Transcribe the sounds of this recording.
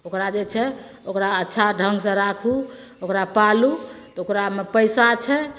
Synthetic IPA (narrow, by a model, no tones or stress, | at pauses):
okɾad͡ʒet͡ʃʰɛ | okɾaətːʃʰaɖʱəŋɡsə̃ɾakʰu | okɾapalut̪ɔokɾamepəjsat͡ʃʰɛ